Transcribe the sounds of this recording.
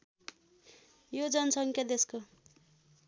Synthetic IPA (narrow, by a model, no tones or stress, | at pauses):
jod͡zʌnʌsʌŋkjʌd̪esko